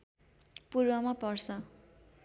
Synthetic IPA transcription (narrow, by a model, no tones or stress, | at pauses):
purbʌmapʌrsʰʌ